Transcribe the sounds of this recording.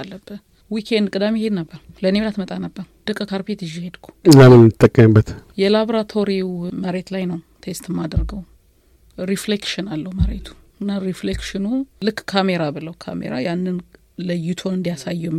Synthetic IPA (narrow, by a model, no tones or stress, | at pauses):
alːəbːən | wikʰend̪kʼɨd̪amihe̞d̪nəbːəɾ | lənemlat̪mət̪ʼanəbːəɾd̪̥ɨkʼːəkʰaɾpʰet̪ɨʒːihe̞d̪kʰʷu̥ɨnamɨnmɨt̪ʼːəkʼːəmɨbːət̪jɛlaβoɾat̪ʰo̞ɾiwməɾe̞t̪lajnəw | t̪ʰest̪ɨmːad̪əɾɡəw | ɾiflekʃɪnalːəhuməɾet̪ʰu̥ɨnːaɾiflekʃɪnulɨkːkʰame̞ɾabɨləwkʰa̰mḛɾa̰janːɨn | ləjut̪ʰo̞nɨnd̪ijasajːɛ